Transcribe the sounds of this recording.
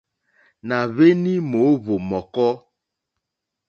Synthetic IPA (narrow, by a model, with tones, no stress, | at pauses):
na˨βe˦ni˦mo˨˦βo˨mɔ˨kɔ˦